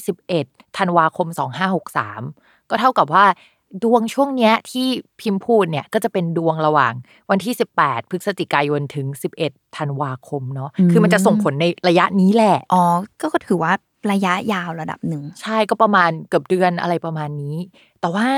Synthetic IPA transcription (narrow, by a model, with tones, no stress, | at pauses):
si˨˩p̚ʔe˨˩t̪ʰːa˧nwaː˧kʰo˧msɔː˩˦ŋɦaː˥˩ho˨˩k̚sa̰ː˩˦m | kɔː˥˩t̪ʰa˥˩wka˨˩p̬̚waː˥˩ | du˧əŋt͡ɕʰu˥˩əŋni˦˥ɐt̪ʰiː˥˩pʰi˦˧˥mpʰuː˥˩t̪̚ni˥˩əkɔː˥˩t͡ɕa˨˩pe˧ndu˧əŋɾa˧wa̰ː˨˩ŋ | wa˧nt̪ʰiː˥˩si˨˩pːɛː˨˩t̪̚pʰɯ˦˥k̚sa˧t̪i˨˩kaː˧jo˧nt̪ʰɯ˩˦ŋsi˨˩p̚ʔe˨˩t̪ʰːa˧nwaː˧kʰo˧mnɔ˦˥kʰɯː˧ma˧nt͡ɕa˨ʔso˨˩pʰo˩˦nːa˧jɾa˧ja˦˥ʔniː˦˥lɛː˨˩ʔʔɔː˧˩kɔː˥˩kɔ˥˩t̪ʰɯː˩˦waː˥˩ | ɾa˧ja˦˥ʔjaː˧˩wɾa˧da̰˨˩p̚nɯ˨˩ŋt͡ɕʰa˥˩jkɔː˥˩pɾa˧maː˧nkɯ˨˩əp̚dɯ˧ənʔa̰˧ɾa˧jpɾa˧maː˧nːiː˦˥ | t̪ɛː˨˩waː˥˩